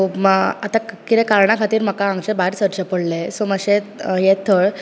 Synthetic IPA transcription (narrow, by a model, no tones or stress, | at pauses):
oməat̪akit̪ɛkaɾɳakʰat̪iːɾm̤əkaãŋɡt͡ɕebaɦiɾsəɾt͡ɕəpəɽlesoməɕejet̪ʰəɭ